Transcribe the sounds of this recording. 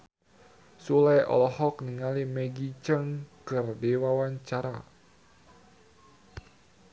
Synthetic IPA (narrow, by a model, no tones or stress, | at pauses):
sulɛjʔɔ̰lɔhɔkniŋalimɛɡit͡ʃəŋkərdewawaɲt͡ʃaɾa